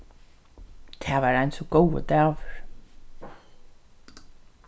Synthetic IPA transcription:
t̪ʰɛːʋaːɾaɪnsɔɡowə̰d̪æːʋʏɹ̥

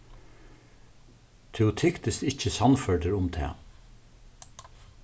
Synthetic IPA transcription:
t̪ʰɛʊt̪ʰɪkt̪ɪst̪ɪçəsɑnfœɹd̪əɾʊmt̪ʰɛ̰ː

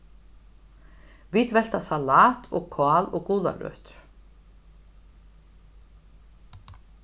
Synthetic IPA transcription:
viːt̪vɛl̥t̪asalaːt̪ʰɔkʰaːlɔɣkuːla̰ɾœ̰ːt̪ɾ̥

